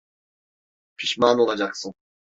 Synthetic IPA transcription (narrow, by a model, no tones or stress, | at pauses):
pʰiʃmaːnolˠad͡ʒaqsɯn